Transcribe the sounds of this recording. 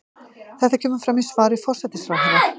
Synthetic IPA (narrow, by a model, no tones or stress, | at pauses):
θɛht̪acʰɛːmʏfɾamisvaːɾɪfɔr̥sɛt̪ɪsfɾawɦɛva